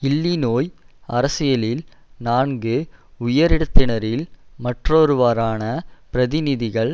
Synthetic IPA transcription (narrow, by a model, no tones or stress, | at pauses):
ɪlːinoːj | ɐɾɐsɪjɐlɪl | naːnɡɯʊjɐɾɪɽɯt̪ːɪnɐɾɪlmɐʈroːɾɯʋaːɾaːnɐpɪɾɐðɪnɪðɪɣɐɭ